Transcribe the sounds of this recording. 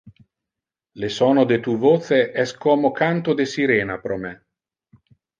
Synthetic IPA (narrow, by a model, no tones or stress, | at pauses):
lesɔːnod̪et̪uvoːt̪seʔɛskɔːmokant̪od̪esiɾɛːnapɾɔmɛ